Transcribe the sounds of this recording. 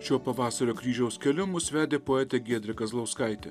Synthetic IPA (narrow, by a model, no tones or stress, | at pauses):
ʃʲoɔpɐʋɑːsɐɾʲoːkɾʲiːʒʲɛʊskʲɛlʲʊmʊsʋʲæːd̪ʲeːpoːɛːt̪ʲeɡʲiɛd̪ʲɾʲɪkɐslˠɐʊskɐɪt̪ʲɛ